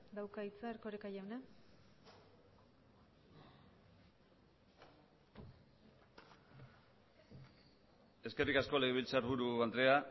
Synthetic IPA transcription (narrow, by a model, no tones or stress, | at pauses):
d̪awkait͡saːɾkoɾekajawna | e̞ske̞rikasko̞leɣeβilt͡saɾβuɾuand̪ɾea